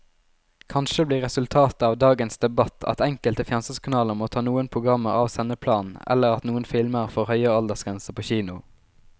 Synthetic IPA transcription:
kʰɑnʃəbliːʁɛsʉlt̪ʰɑːt̪əɑːʋd̪ɑːɡənsd̪ɛbɑt̪ʰɑ̰t̪ɛŋkəlt̪əfɪnɑnsəskʰɑnɑːləmoːt̪ʰɑːnuːənpʰʁʊɡʁɑmːəʁɑ̰ːʋsɛnəpʰlɑːnɛ̰lːəʁɑt̪nuːənfɪlməʁfɔʁhœʏəɑld̪əʁsɡʁɛnsəpʰoːçiːnʊ

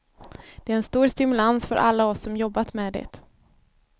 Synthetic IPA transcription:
d̪̥ɛæɾɛnst̪uːɾst̪ɪmɵlansfœ̰ɾʔa̰lːaɔsːɔmjɔbːat̪mɛːd̪ɛ̰t̪

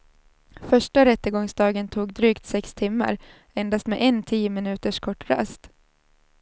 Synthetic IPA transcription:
fœʂʈaɾɛt̪ːəɡɔŋsd̪ɑːɡənt̪ʰuːɡd̪ɾyːkt̪sɛkst̪ʰɪmːa̰ɾ | ɛnd̪ast̪mɛʔɛnt̪ʰiːəmɪnʉ̟ːt̪əʂkʰɔʈːɾa̰st̪

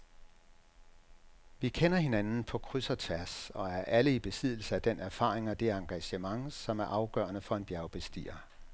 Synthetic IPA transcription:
ʋikʰenɐɦe̝nænn̩pʰɒ̽kʰʁysɐt͡sʰʋæɐsɒ̽æɐʔæləib̥e̝sið̞̰ˠl̩səæd̥enʔæɐfɑ̰̈ːʁeŋɒ̽d̥e̝ɐɑ̈ŋɡ̥æɕəmɑ̈ŋsɒ̽mæɐʔɑ̈ʊɡ̥ɶ̰ːɐnəfɒ̽e̝nb̥jæɐʊb̥e̝sd̥ḭːɐ

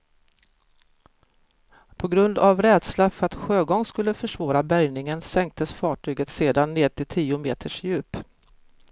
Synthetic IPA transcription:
pʰɔɡɾɵnd̪avɾɛːd̪slafœɾat̪ɧøːɡɔŋskɵlːəfœʂvɑːɾabæɾjnɪŋənsɛŋk̚t̪ʰəsfɑːʈʰyːɡət̪seːd̪anːeːʈ̪ʰɪlt̪ʰiːʊmeːt̪ʰəʂjʉ̟ːp

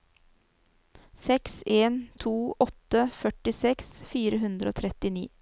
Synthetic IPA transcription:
sɛkseːnt̪ʰuːʔɔt̪əfœʈɪsɛksfiːɾəɦʉnd̪ɾəo̰ːt̪ʰɾɛt̪ɪnḭː

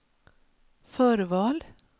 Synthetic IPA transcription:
fœːɾvɑːl

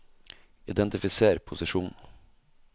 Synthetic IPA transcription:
ɪd̪ɛnt̪ɪfɪseːɾpʰʊsɪʂuːn̩

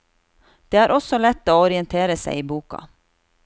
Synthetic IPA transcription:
d̪̥eːæːɾʔɔsɔlɛt̪ːoːɔɾɪənt̪ʰeːɾəsæ̰ɪiːbuːkɑ̰

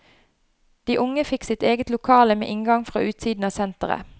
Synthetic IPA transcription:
d̪̥iːʔʊŋəfɪksɪt̪eːɡət̪lʊkʰɑːləmḛːʔɪŋɡɑŋfʁɑ̰ːʔʉːt̪siːd̪n̩ɑːsɛnt̪əʁə̰

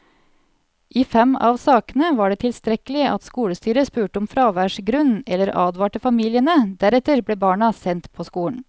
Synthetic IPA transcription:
ʔiːfɛmɑ̰ːʋsɑːkənəʋɑːɖeːt̪ʰɪlst̪ɾɛkəlɪʔɑt̪skuːləst̪yːɾəspʉːʈəʊmfɾɑːʋæːʂɡɾʉnɛlːəɾɑ̰ːd̪ʋɑːʈəfɑmiːlɪənəd̪æɾɛt̪əɾbleːbɑːɳɑsɛnt̪pʰoːskuːɳ̩

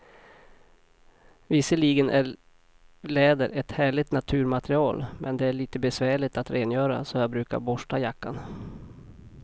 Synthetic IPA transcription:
vɪsəɭiːɡənʔæ | lɛːd̪əɾʔɛt̪hæːɭɪt̪nat̪ʰʉ̟ːɾmat̪ɾɪɑːlmʔɛnd̪ɛæɭiːt̪əbɛsvæːɭɪt̪at̪ɾʔeːnjœːɾa̰sɔjɑːbɾʉ̟ːka̰ɾbɔʂʈajakːa̰n

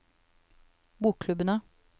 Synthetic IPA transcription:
buːkkʰlʉbənə

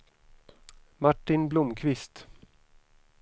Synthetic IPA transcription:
maʈːɪnblʊmkʰvɪst̪

